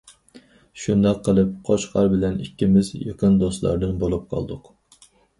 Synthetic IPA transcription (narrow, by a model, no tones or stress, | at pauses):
ʃund̪ɑqʰːəlˠɨp̚qʰoʃqʰɑɾbɪlɛnikʲːimɪzjɑ̰qʰənd̪oslˠɑ̰ɾd̪ɨnbolˠup̚qʰɑ̰lˠd̪ʊq